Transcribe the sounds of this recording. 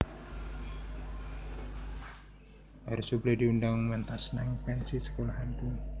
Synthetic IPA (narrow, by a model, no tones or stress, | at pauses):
haɾusublediundaŋŋmənt̪asnaŋkansisə̥kolaɦanpun